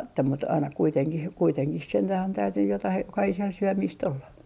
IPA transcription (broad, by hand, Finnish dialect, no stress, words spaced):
etːæ mut ɑinɑ kuiteŋkih kuiteŋkih sentæh on tæytynːyj jotɑh jokɑhisel syømiːst olːɑ